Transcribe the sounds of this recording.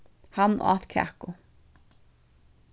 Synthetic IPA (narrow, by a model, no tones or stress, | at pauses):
hanʔa̰t̪kʰa̰kʊ